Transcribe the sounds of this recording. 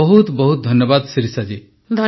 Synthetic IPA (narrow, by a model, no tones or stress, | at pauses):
ɔɦut̪bɔɦut̪̚d̪ʱɔnjɔbad̪siɾisad͡ʒi | d̪ʱɔ